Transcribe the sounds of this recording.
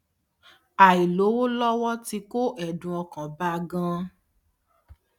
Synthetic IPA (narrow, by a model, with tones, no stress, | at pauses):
a˨i˨lo˨˦wo˦lɔ˦wɔ˦ti˧ko˦ʔɛ˦˨dũ˨ɔ˧kã˨ba˦˧ɡã˦